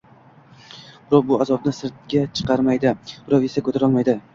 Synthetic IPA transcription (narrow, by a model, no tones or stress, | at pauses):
b̥ɪɾɒqbʊazɒb̚nɪsɪɾt̪̚ɡʲat͡ʃʰɨ̥qʰɑɾmajd̪ɪb̥ɾɒvesakʰɵt̪ʰaɾɒlˠmajd̪ɪ